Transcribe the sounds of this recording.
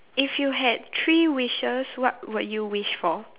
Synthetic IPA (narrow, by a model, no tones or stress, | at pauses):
ifjuɦɛd̚tʰɹiwiʃəswɔt̚wədjuwiʃfɔ